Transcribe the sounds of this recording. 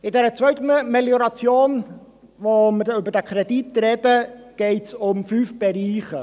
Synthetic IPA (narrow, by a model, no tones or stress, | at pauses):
ɪndɛɾət͡sœɥtməmɛljoɾat͡sjoːn | voːməøbədəkʰɾɛdit̚drɛdəɡ̥eːtʊmfyːfb̥ɛɾiːχə